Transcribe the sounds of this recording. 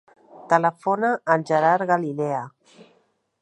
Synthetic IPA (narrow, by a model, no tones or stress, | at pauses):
t̪ələfonaʔːnʲʒəɾaɾɣalilɛə